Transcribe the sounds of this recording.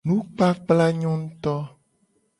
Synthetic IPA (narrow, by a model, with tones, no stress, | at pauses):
nũ˦k͡pa˦k͡pla˦ɲɔ̃˦ŋ̩˦t̪ɔ˦